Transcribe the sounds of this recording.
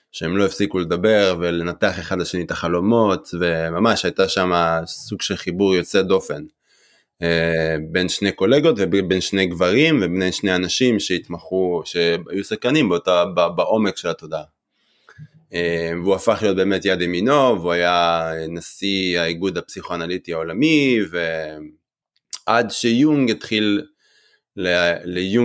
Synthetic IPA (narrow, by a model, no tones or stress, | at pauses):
ʃeemloefsikule̞d̪abe̞ʁvele̞nat̪e̞aχe̞χad̪laʃe̞nit̪aχalo̞mo̞t̪ve̞mamaʃhajt̪aʃamasuɡʃe̞lχibuʁjo̞t͡se̞d̪o̞fe̞n | ebe̞nʃneko̞le̞ɡo̞t̪vebe̞nʃne̞jɡvaʁimvebneʃnejanaʃimʃeit̪maχuʃea̰jusaχkanimbt̪ababaʔo̞mekʃe̞lat̪o̞d̪a | eveuafaχlijot̚beːme̞t̪jad̪emino̞vuajaenasiaiɡud̪apsiχoanalitiaolamive | ʔad̪ʃejuŋɡit̪χilː | eleju